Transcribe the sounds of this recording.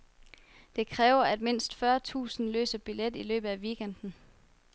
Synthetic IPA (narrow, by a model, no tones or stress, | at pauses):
d̥e̝kʰʁɛːʊɐæd̥me̝n̰sd̥fɶːɐt͡sʰṵːsn̩lø̰ːsɐb̥iled̥ilø̰ːb̥ð̩ˠæʋiɡ̥en̰d̥n̩